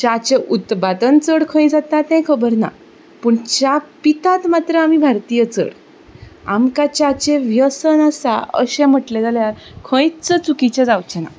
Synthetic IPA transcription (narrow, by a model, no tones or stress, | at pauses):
t͡ɕat͡ɕeʔut̪pad̪ənt͡səɽkʰə̃jd͡zat̪at̪ɛ̃jkʰəbəɾna̰ | puːɳt͡ɕapit̪at̪mat̪ɾəamibʱaɾt̪ijət͡sə̰ɽ | a̰mkat͡ɕat͡ɕeʋjəsənasa̰ə̰ɕɛ̃m̤əʈlɛd͡zaljaɾkʰə̃jt͡sət͡sukit͡ɕed͡zawt͡ɕɛna̰